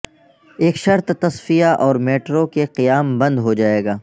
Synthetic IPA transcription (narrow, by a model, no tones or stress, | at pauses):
eːkʃɐɾt̪t̪ɐsfijaʔɔːɾmeːʈɾokeqijaːmbɐ̃nd̪ɦod͡ʒaːeːɡaː